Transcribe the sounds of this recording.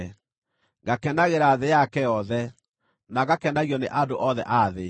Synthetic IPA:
ŋɡakɛndaɣeɾaːðejakɛjɔðɛ | naɣakɛndaɣiɔneʔadoʔɔðɛ̰ʔaðe

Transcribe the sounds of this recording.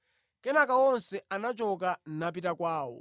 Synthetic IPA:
kɛnakaɔnsɛanat͡ʃɔk̬an̩nap̬itakwaːwɔ̰

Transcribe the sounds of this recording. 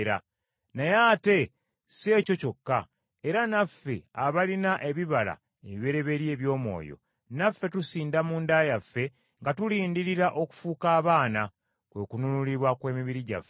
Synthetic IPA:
ɾa̰ | najaːte̞ | se̞ːco̞co̞kːa | eɾanafːe̞̰aβalinaʔe̞βiβala̰ | eβiβe̞ɾe̞βe̞ɾje̞ːβjo̞ːmwo̞̰ːjo̞̰ | nafːe̞tusiːndamundaːjafːe̞ | ŋɡatuliːndiɾiɾaʔo̞ku̥fuːkaːβaːna | kwe̞kununuliβwakwe̞ːmiβiɾiɟa̰fːe

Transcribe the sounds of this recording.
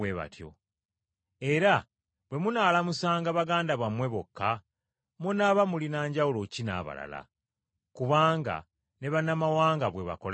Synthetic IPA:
eβa̰tjo̰ | e̞ɾa | βwe̞munaːlamusaːŋɡaβaɡaːndaβamwe̞βokːa | munaːβamulinaːɲɟawulo̞cina̰ːβa̰la̰la̰ | kuβaːŋɡa̰ | ne̞βanːamawaːŋɡaβwe̞βa̰kol

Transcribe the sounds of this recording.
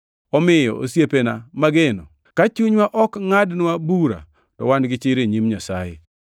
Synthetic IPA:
ɔmɪjɔ̰o̰sjepenamaɡenɔ | kat͡ʃuɲwaʔɔkŋadnwabuɾa̰ | tɔ̰wanɡɪt͡ʃɪɾeɲimɲasa̰jḛ

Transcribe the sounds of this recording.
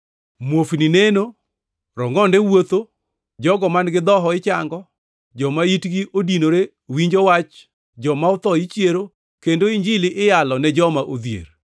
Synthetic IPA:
mwofnineno | ɾɔŋɔndɛwot̪o | d͡ʒɔɡɔmanɡɪd̪ɔɦɔɪt͡ʃa̰ŋɡɔ | d͡ʒɔmaitɡiʔodinoɾe | wiɲd͡ʒɔwat͡ʃ | d͡ʒɔmaʊt̪ɔit͡ʃjeɾo | kendoiɲd͡ʒɪlɪʔɪjalɔnɛd͡ʒɔmaʔod̪jḛɾ

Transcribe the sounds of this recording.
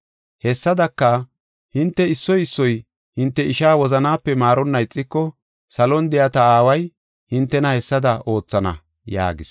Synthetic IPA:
hɛsːɐd̪ɐkːɐ | hɪnt̪ːɛɪsːɔjɪsːɔj | hɪnt̪ːɛɪʃaːwɔzɐnaːpːɛmaːɾɔnːɐɪt͡sʼːɪkːɔ | sɐlɔnd̪ɪjɐt̪ɐaːwɐj | hɪnt̪ːɛnɐhɛsːɐd̪ɐo̞ːt͡sːɐnɐ̰ | ja̰ːɡɪs

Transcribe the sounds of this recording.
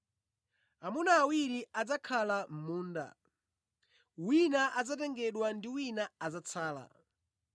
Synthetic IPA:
amunaːwiɾiad͡zakʰalam̩muːnda̰ | winaʔad͡zatɛŋɡɛɗwandiwinaːzat͡sʰaːla̰

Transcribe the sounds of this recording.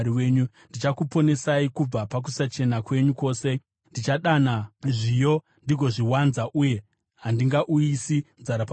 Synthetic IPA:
ɾiweːɲu | ndit͡ʃakupo̞ne̞saikub͡vapak̬usat͡ʃe̞nakwe̞ɲuko̞ːse̞ | ndit͡ʃaɗanaʐijo̞ | ndiɡʱo̞ʐiwanzaʔuje̞ | ɦandiŋɡaʔuisinzaɾapa

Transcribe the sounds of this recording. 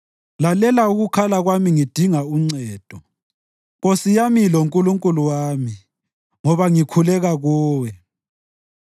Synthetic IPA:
lalɛlauɣukʰalaɣwamiŋid̥ʱiŋauŋ͡ǀɛːd̥ʱɔ | ɣosijamilouŋkʼuluŋkʼuluwaːmi | ŋɔβaŋikʰulɛɣaɣɔːwɛ

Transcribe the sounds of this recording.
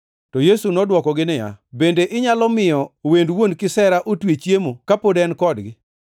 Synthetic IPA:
tɔjesunɔdwɔkɔɡɪnɪja̰bendeʔɪɲalɔmɪjɔwendwonkɪsɛɾaʔotwet͡ʃjemokapodɛnkɔdɡɪ

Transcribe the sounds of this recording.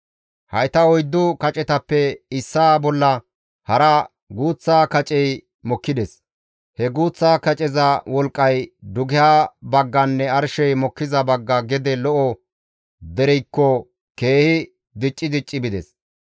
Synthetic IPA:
hɐjt̪ɐɔjd̪ːʊkɐt͡ʃʼɛt̪ɐpːɛɪsːaːbɔlːɐ | hɐɾɐ | ɡuːt͡sːaːkɐt͡ʃʼɛj | mɔkːɪd̪ɛs | hɛɡuːt͡sːaːkɐt͡ʃʼɛzɐwɔlkʼːɐjd̪ʊɡɪjaːbɐɡːɐnːɛɐɾʃɛjmɔkːɪzɐbɐɡːɐɡɛd̪ɛlɔʔɔ | d̪ɛɾɛjkːɔ | ke̞ːhɪ | d̪ɪt͡ʃʼːɪd̪ɪt͡ʃʼːɪbɪd̪ɛs

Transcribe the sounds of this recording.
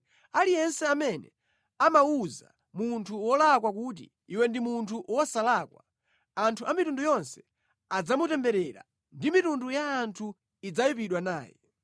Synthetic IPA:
alijɛnsɛamɛnɛ̰ | amauza | muntʰuwɔlak̬wakut̬ḭ | iwɛndimuntʰuwɔsalakwa̰ | antʰuʔamitundujɔnsɛ̥ | ad͡zamutɛmbɛɾɛɾa̰ | ndimitundujaːntʰu | id͡zajupiɗwanaːjɛ̰

